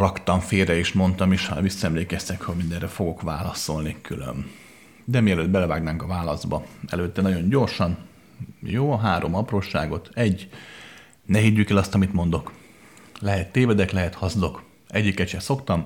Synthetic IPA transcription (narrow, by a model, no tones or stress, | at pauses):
rɒkt̪ɒɱfeːrɛeːʃmo̞nt̪ɒmeʃhɒ̰visːɒɛmleːkɛst̪ɛkhoɟmind̪ɛrɛfo̞ɡo̞kʋa̰ːlɒso̞lnikylø̰m | d̪ɛmiɛløːd̪̚bɛlɛvaːɡnaːŋkɒvaːlɒzbɒɛ̰løːt̪ːɛnɒɟo̞ɲɟo̞rʃɒn | joːɦaːɾʔo̞mɒproːʃa̰ːɡo̞t̪ɛɟː | nɛɦid̪ːykɛlɒst̪ɒmit̪mo̞nd̪ok | lɛɦɛt̪ːeːvɛd̪ɛklɛɦɛt̪hɒzd̪o̞k | ɛɟːikːɛt͡ʃɛt̪so̞kt̪ɒm